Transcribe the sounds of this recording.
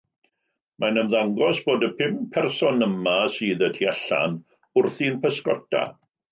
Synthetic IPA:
mʔanəmðaŋɡɔsb̥oːdəpʰɪmpʰɛrsɔnəmasɨːðətʰiaɬa̰n | ʊrθinpʰəskɔ̰dʰa̰

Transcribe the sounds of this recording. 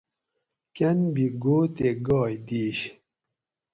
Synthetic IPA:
kɐnbiɡot̪eɡɔːjd̪iːɕ

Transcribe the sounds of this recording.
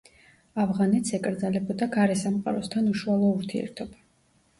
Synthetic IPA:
avʁanɛt̪ʰsɛkʼɾd̪zalɛbɔd̪aɡaɾɛsamqʼa̰ɾɔst̪ʰanuʃualˠɔuɾt̪ʰiɛ̰ɾt̪ʰɔba

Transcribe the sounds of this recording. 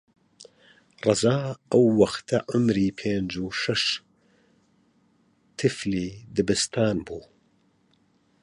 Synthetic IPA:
rˤɑzaːɐwːɐxt̪ʰɐʔʊmɾiːpʰeːnd͡ʒuʃɐʃ | t̪ʰɨfliːd̪ɨbɨst̪ʰaːnbuː

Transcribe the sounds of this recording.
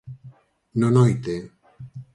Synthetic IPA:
nonojt̪e

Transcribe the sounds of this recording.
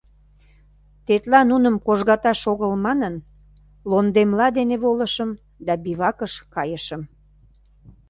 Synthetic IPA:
t̪et̪lɑnunəmkoʒɣɑt̪ɑʃoɣəlmɑnən | lond̪emlɑd̪eneβoləʃəm | d̪ɑbiβɑkəʃkɑjəʃəm

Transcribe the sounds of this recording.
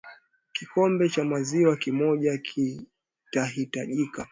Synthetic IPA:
kikɔmbɛt͡ʃamaziwakimɔʄakʰi | taɦitaʄika

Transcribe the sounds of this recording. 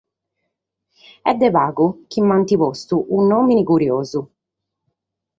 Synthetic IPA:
ɛd̪ːɛvaːɡuk̟imːant̪ipɔst̪uʔunːoːminikuɾjoːzu

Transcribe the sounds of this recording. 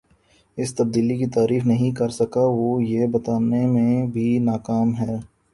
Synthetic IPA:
ɪst̪ɐb̚d̪iːlikit̪aːɾiːfnɐɦĩkɐɾsɐkaʋoːjebɐt̪aːnemẽbʱinaːkaːmɦɛː

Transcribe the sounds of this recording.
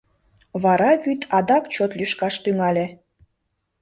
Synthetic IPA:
βɑɾɑβyt̪ʰɑd̪ɑkt͡ɕot̪lyʃkɑʃt̪yŋɑlʲe

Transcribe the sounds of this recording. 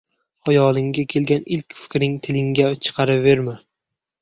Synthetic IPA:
ɒjɒlˠɪŋɡʲakʲʰe̞lˠɡʲanɪlkʲfɪ̥kʲɾɪŋt̪ʰɪlɪŋɡʲat͡ʃʰɨ̥qʰɑɾɪpve̞ɾma

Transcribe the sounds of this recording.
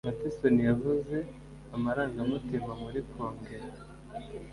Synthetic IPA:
matisonijavuze̞ | amaɾaːŋɡamutimamuɾikoːŋɡeɾ

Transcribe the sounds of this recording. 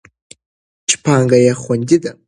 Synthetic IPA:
t͡ʃʰpʰaŋɡajaχʷʊndʲɪda

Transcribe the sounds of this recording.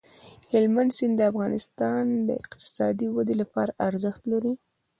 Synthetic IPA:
hɪlmand̪sɪnd̪əafɣɑnɪst̪ɑnd̪ə̰ɪ̰qt̪ɪ̥sɑd̪iwad̪elapɑɾaʔaɾzəxt̪laɾi

